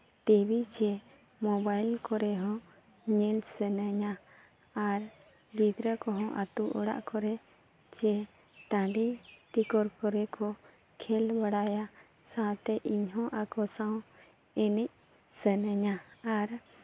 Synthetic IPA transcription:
ʈibʱit͡ʃɛ | mɔbajlkɔɾɛɦɔ̃ | ɲɛlsənəɲa | aɾ | d̪id̪ɾəkɔɦɔ̃ʔat̪uʔɔɽa̰ʔkɔɾɛ | t͡ʃɛ | ʈãɖiʈikɔɾkɔɾɛkɔ | kʰɛlbəɽaja | sãt̪ɛʔiɲɦɔ̃ʔakɔsãw | ɛnɛc̚ | sənəɲaaɾ

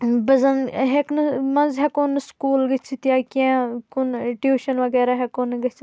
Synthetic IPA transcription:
bɐzɐnɦeknɐmɐnzɦɛkonɨskuːlɡɐt͡ʃʰit̪jaːkãkonʈjuːʃɐnʋɐɡɛːɾaɦɛkoːnɡɐt͡ʃʰ

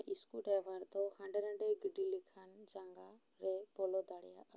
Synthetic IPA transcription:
ʔiskuʈɛwaɾt̪ɔhãɳɖɛɾə̃ɖɛɡiɖilikʰand͡ʒaŋɡa | ɾɛbɔlɔd̪aɽɛjaʔ

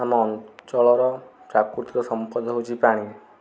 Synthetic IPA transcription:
amɔnt͡ʃɔɭɔɾɔ | t͡ʃakuɾt̪iɾɔsɔmpɔd̪ʱɦot͡ʃʰipaɽ̃i

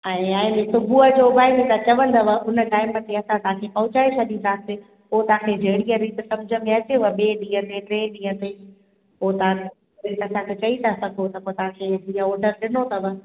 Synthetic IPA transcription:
ɛ̃ːãːɪ̃nesʊbʱuəd͡ʑobaːɪmẽt̪ɐt͡ɕɐʋə̃nd̪ɐʋəʔʊnəʈaːɪmət̪eɐsãt̪ɐɦãkʰepɐɦʊt͡ɕaːet͡ɕʰɐɗ̪ĩnd̪ʱase | ʊɦot̪ɐʋ̤ãkʰed͡ʑʱeɦɪɽ̃iəɾiːt̪sɐmd͡ʑʱəmẽɐt͡ɕeəɓeːɗĩːɦə̃t̪eʈɾẽːɗĩːɦə̃t̪eː | oɦt̪ɐʋã | ɾiːt̪ɐsãkʰet͡ɕɐit̪ʰasɐɡʱot̪ɐpot̪ɐʋ̤ãkʰed͡ʑĩːə̃ɔːɾɖəɾɗɪnot̪ʰɐʋə

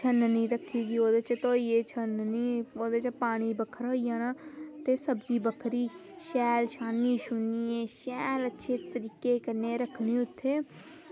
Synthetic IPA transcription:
t͡ʃʰənənĩːɾəkʰːiːɡiːoːd̪eːt͡ʃt̪oːiːeːt͡ʃʰənniːoːd̪eːt͡ʃpaːɽ̃iːbəkʰəɾɦoːiːaːnaːt̪eːsəbd͡ʒiːbəkʰɾiːʃɛːlʃaːniːʃʊniːeːʃɛːlətːʃʰeːt̪əɾiːkeːkəɾneːɾəkʰɽ̃ĩːʊt̪ʰːeː

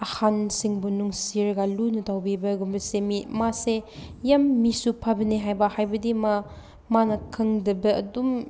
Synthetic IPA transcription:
ɐhansiŋbunuŋsiɾɐɡalunɐtʰawbibɐɡumbɐsemimasejamːisupʰabɐneɦajbɐhajbɐdima | manɐkʰɐŋdɐbɐɐ̰dum

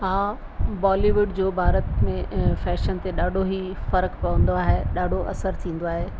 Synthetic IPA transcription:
ɦãː | baːliʋʊɖd͡ʑoːbʱaːɾət̪mẽfɛːʃənt̪eɗaːɖʱoɦi | fɐɾkpɐʋə̃n̆d̪oaːɦeɗaːɖʱoʔɐsəɾt̪ʰĩːn̆d̪oaːɦeː

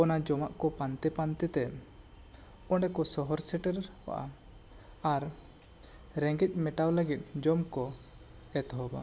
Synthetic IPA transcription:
ɔnad͡ʒɔmaʔkɔpant̪ɛpant̪ɛt̪ɛ | ɔɳɖɛkɔsɔɦɔɾsɛʈəɾwa̰ʔa̰ | aɾ | ɾɛ̃ŋɡɛc̪̚ˀmɛʈawləɡit̪̚ˀd͡ʒɔmkɔ | ɛt̪ɦɔba̰

